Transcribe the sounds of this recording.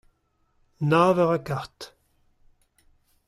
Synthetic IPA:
naːvɛʁakaʁt̪

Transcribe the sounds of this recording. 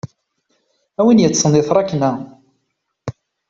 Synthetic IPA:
æwinjət͡sːənɪθɾˤɑkːnæ

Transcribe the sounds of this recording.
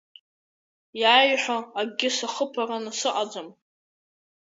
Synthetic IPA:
jaːjħʷᶣaaɡʲɪsaχəpʰaranasɨʔad͡zam

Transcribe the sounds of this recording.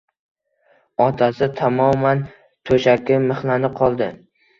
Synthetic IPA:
ɒt̪ʰasɪt̪ʰamɒman | t̪ʰɵʃakʲɪmɨχlanɪqʰɒlˠd̪ɪ

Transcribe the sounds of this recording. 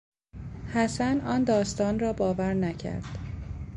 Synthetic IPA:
hæsænʔɒːnd̪ɒːst̪ɒːnrɒːbɒːvæɾnæcʰæ̰ɾd̪̥

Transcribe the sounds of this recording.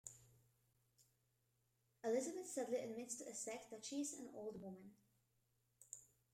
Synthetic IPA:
əlɪzəbəθsɛdl̩iʔə̰d̚mɪtstʰəsɛk̚t̚ðɨtʃizə̰̃no̰ʊlˠd̚wʊmə̃n

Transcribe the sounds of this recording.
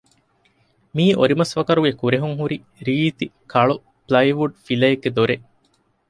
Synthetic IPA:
miːʔoɾimɐsʋɐkɐɾuɡekuɾeɦuŋɦuɾi | ɾiːt̪ikɐɭu | plɐjʋuɖfilɐeɡːed̪oɾe

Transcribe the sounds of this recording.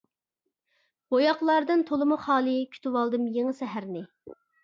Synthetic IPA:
bojɑqlˠɑɾd̪ɨnt̪ʰolˠɨmuχɑːlˠɨkʲʰy̥t̪ʰywɑlˠd̪ɨmjeŋɨsɛɦæɾnɪ

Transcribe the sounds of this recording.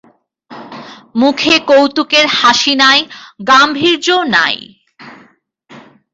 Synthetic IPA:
mukʰekowt̪ukeɾhaʃinaeɡambʱiɾd͡ʑona̰j

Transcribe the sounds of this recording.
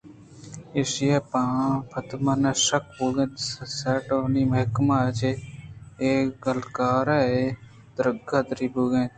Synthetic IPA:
eːsɪeːpãːpʰət̪maːnaːʃəkbuːɡẽːt̪ssɛːʈoːniːməɦkmaːt͡ʃe | eːɡəlkaːɾɛːe | d̪əɾəɡaːd̪ɾiːbuːɡẽː

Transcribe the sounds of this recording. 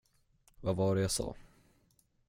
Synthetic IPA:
vavɑɖɛjasɑ̰ː

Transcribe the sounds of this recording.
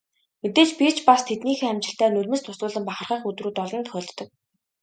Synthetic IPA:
met̪eːt͡ɕpi̥t͡ɕʰpast̪ʰet̪niːxeæmt͡ɕɪ̆ɬt̪æːnɵɮmɘ̆st̪ʰʊsʊːɮə̆mpaχə̆rχaːχɵt̪ruːt̪ɔɮɞ̆nt̪χœːɮt̪ːɞ̆k̚

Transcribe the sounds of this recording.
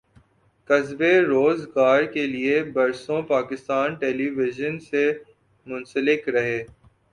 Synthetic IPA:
kɐzbeɾoːzɡaːɾkeliebɐɾsõpaːkɪst̪aːnʈeːliːʋɪʒənse | mʊ̃nsəlɪkɾɐɦeː

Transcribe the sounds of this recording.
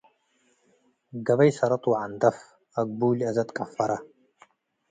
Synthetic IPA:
ɡɐbɐjsɐɾɐt̪ʼwʕand̪ɐf | aɡ̚ʷbuːliazɐt̪ʼkʼafaɾa

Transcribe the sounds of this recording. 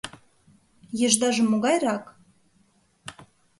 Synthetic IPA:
jɤ̆ʒd̪ɑʒĕmoɣɑjrɑk

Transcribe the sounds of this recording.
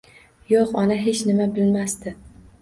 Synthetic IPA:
joqɒnaɦe̞t͡ʃnɪmabɪlmast̪ɪ

